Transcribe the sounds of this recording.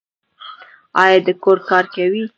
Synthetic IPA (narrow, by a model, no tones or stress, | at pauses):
ɑjɑd̪əkoɾkɑɾkawi